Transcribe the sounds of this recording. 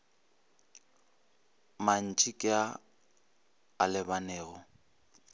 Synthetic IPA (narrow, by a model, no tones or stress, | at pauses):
man̩t͡ʃʼikʼɪa | alɪbanɛːɣɔ